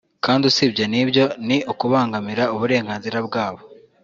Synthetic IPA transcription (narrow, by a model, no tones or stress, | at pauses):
kaːndiusibjenibɟo̞niokuβaːŋɡamiɾauβuɾe̞ːŋɡaːnziɾabɡaːβo̞